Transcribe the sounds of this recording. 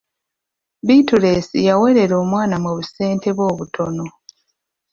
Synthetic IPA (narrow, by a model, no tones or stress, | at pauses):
bituɾesḭjawe̞ɾe̞ɾo̞ːmwaːnamwuβuse̞ːnte̞βo̞ːβutʰo̞no̞